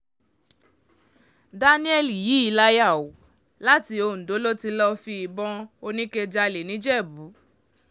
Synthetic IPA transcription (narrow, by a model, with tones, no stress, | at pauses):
da˧nĩ˦ɛ˧li˨jiː˨˦i˧˦la˦ja˦˨wo˨ | la˦ti˧o˧˨n̩˨do˨˦lo˦ti˧lɔ˧fi˧i˧bɔ̃˧o˧nĩ˦ke˧d͡ʒa˧le˨nĩ˨˦d͡ʒɛ˦˨bu˨˦